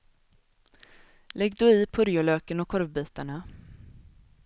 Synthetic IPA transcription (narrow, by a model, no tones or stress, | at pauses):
lɛɡːd̪ɵɪːpʰɵɾjʊløːkənɔkʰɔɾvbiːt̪aɳa